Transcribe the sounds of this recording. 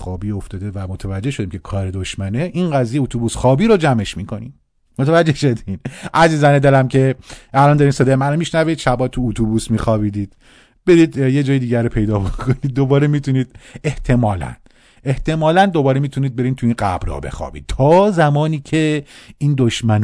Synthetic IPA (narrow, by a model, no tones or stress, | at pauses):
xɒːbiːoft̪ɒːd̪e̞væmot̪ʰevæd͡ʒːeʃod̪iːmcʰe̞kʰɒːɾed̪oʃmæneʔinɡæzijeut̪ʰubusxɒːbiːɾod͡ʒæme̞ʃmiːkʰo̞̰nḭn | mot̪ʰævæd͡ʒːehʃod̪iinʔæziːzæned̪eɾæmcʰe̞ælɒːnd̪ɒːɾimseːd̪ɒmænomiʃnæviːd̪ʃæbɒːt̪ʰuːt̪ʰubuːsmiːxɒːbiːd̪iːd̪̥̚ | b̥e̞ɾiːd̪jed͡ʒɒːjed̪iːɟæɾopʰe̞jd̪ɒːbokʰoniːd̪̚ːo̞bɒːɾemit̪ʰuniːd̪e̞ht̪ʰe̞mɒːlæ̰n | e̞ht̪ʰe̞mɒːlænd̪o̞bɒːɾemiːt̪ʰuniːd̪̚be̞ɾiːnt̪ʰuinɢæ̰bɾɒ̰bḛxɒ̰bḭd̪̚t̪ʰɒːzæmɒːniːcʰe̞ind̪oʃmæn